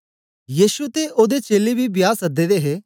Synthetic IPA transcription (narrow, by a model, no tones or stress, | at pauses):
jiːʃut̪eʔoːd̪et͡ʃeːlebʱibjaːsɐd̪eːd̪eɦeː